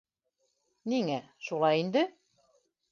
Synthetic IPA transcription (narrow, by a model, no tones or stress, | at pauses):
niŋæ | ʃulˠɑjind̪ɘ